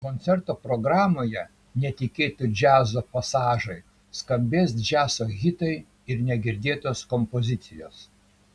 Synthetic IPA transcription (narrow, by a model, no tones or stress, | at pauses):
konʲt̪sʲɛɾt̪oːpɾɔɡɾɑːmoːjɛ | nʲɛt̪ʲɪkʲeːt̪ʲʊd͡ʒʲæːzoːpɐsɑːʒɐɪ | skɐmʲbʲeːsd͡ʒʲæːsoːɣʲɪt̪ɐɪ | ɪɾnʲɛɡʲɪɾʲd̪ʲeːt̪oːskɔmpozʲɪt̪sʲɪjoːs